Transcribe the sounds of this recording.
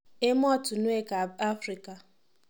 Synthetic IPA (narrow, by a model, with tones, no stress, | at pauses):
e˦m˦ɔ˦tʊ˨nʊ˦e˦ka˨a˦fɾi˨ka˨